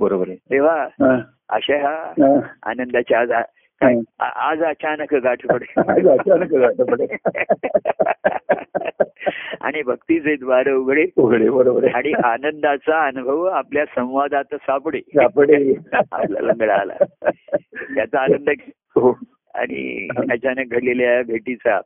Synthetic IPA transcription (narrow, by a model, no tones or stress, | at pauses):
bəɾobəɾedeʋ̤aɦã | ə̰ɕaɦaɦãa̰nənd̪at͡ɕiad͡za | kaa̰ʔad͡zat͡ɕanəkəɡaʈʰəpɽead͡zat͡ɕanəkəɡaʈʰəpɽe | a̰ɽ̃ibʱəkt̪iːd͡zed̪ʋaɾəuɡʱɽeuɡʱɽebəɾobəɾaɽ̃iʔanənd̪at͡saənubʱəʋapljasə̃w̃ʋad̪at̪əsapɽesapɽea̰pla̰ləŋɡəɭaːla̰ | jat͡saanənd̪ək | ɦo | a̰ɽ̃ḭət͡ɕanək̚ɡʱəɽleljabʱeʈit͡sa